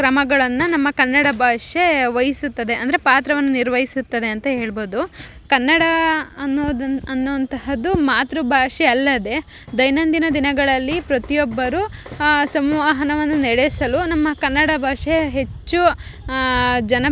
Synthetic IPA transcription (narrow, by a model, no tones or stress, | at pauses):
ɾɐmɐɡɐɭɐnːunɐmːɐkɐnːɐɽɐbʱaːʂeʋɐjisut̪ːɐd̪e̞ɐnd̪ɐɾe̞paːt̪ɾɐʋɐnːuniɾʋɐjisut̪ːɐd̪e̞ɐnt̪ɐɦe̞ːɭboːd̪u | kɐnːɐɽɐnːd̪ɐɐnːuɐnt̪ɐɦɐd̪umaːt̪ɾubʱaːʂeɐlːɐd̪e̞ | d̪ɐjnɐnd̪inɐd̪inɐɡɐɭɐlːipɾɐt̪ijɔbːɐɾusɐmʋaːɦɐnɐʋɐnːunɛɽesɐlunɐmːɐkɐnːɐɽɐbʱaːʂeɦe̞t͡ʃːu | d͡ʒɐnɐ